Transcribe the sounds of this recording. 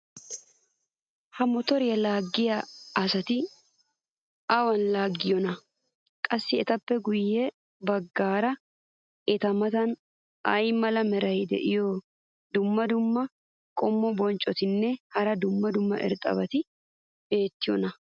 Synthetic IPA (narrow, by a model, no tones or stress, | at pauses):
hɐmɔt̪ɔɾɪjɐlaːɡːɪjaɐsɐt̪ɪ | ʔɐwɐnlaːɡːɪjɔnɐ | kʼɐsːɪɛt̪ɐpːɛɡʊjːɛ | bɐɡːaːɾɐ | ʔɛt̪ɐmɐt̪ɐn | ɐ̰jmɐlɐmɛɾɐjd̪ɛ̰ʔɪjɔ | d̪ʊmːɐd̪ʊmːɐ | kʼɔmːɔbɔnt͡ʃʼɔt̪ɪnːɛhɐɾɐd̪ʊmːɐd̪ʊmːɐ̰ʔɛ̰ɾt̪ʼɐ̰bɐt̪ɪ | be̞ːt̪ːɪjɔnɐ